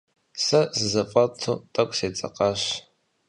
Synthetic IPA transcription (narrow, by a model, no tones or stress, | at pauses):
sɐzɨzɐfʼɐtʰṵtʼɐkʷʼseːt͡sʼɐ̰qʼɐɕ